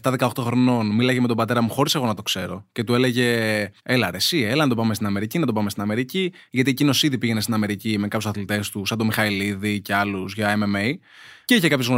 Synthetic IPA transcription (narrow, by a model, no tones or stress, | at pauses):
ft̪ɐðekɐo̞xt̪o̞xɾo̞no̞nmilɐʝeme̞t̪obɐt̪e̞ɾɐmuxo̞ɾise̞ɣo̞nɐt̪o̞kse̞ɾo̞ce̞t̪ue̞le̞ʝe̞elɐɾesielɐnɐt̪o̞pɐme̞st̪inɐme̞ɾicinɐt̪opɐmest̪inɐme̞ɾici | ʝɐt̪iecino̞siðipiʝe̞nest̪inɐme̞ɾicime̞kɐpjusɐθlit̪e̞st̪usɐd̪o̞mixɐiliðice̞ɐluzʝɐememej | ceiçekɐpço̞zɣno